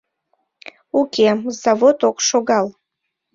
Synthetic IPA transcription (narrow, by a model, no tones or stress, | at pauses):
ukʲʰemzavotʰʼokʷʼʂoɡal